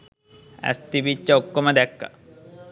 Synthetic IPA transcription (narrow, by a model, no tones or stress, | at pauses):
æ̰st̪ibit͡ʃːɐokːomɐd̪ɛkːɐ̥̰